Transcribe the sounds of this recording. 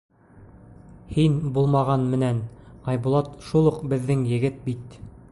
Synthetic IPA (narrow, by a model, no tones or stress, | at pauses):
hinbulˠmɑʁɑnmɘ̆nænɑjbulˠɑt̪ʃulˠuqbɘ̆ðːɘŋjɘ̆ɡɘt̪̚bit̪